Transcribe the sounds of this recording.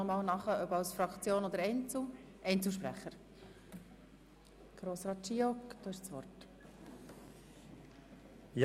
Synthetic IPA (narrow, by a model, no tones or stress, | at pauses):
ɔmɑːlnɑχəʔœbɑlsfɾɑkt͡sjoːnod̪əɾɛɪnt͡sl | ʔɛɪnt͡sl̩ʃpɾæ̰χəɾ | ɡ̥ɾoːsɾɑːt̚t͡ʃiɔkd̥̪oːɪʃt͡sʋɔrt | j